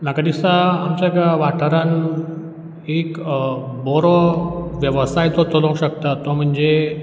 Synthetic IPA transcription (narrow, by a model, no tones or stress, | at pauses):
nakad̪isaamt͡ɕaɡaʋaʈʰəɾan | ekbɔɾɔʋjəʋəsajt̪ɔt̪ɔlə̃w̃ɕəkt̪at̪ːɔm̤əɳd͡ze